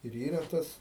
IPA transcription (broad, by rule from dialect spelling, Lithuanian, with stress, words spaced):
ɪr ˈiːrɐ ˈtɐs